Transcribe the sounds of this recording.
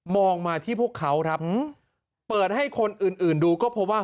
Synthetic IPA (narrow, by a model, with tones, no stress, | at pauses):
mɔː˧ŋmaː˧t̪ʰiː˥˩pʰu˥˩kʰːa˦˥wkʰɾa˦˥p̚ | pɤː˨˩t̪̚ha˥˩jkʰo˧nʔɯː˨˩nʔɯː˨˩nduː˧kɔː˥˩pʰɔ˦˥waː˥˩